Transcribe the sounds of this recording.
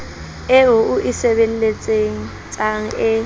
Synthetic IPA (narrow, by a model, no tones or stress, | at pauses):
ɪɦʊʔuʔisɛβen̩let͡sʼeŋ̩ | t͡sʼaŋ̩ɪ